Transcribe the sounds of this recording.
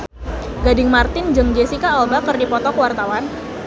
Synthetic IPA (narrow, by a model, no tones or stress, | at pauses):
ɡadɪŋmart̪ɪnd͡ʒɨŋd͡ʒesikaɔlbakərdipɔt̪ɔkəwart̪awan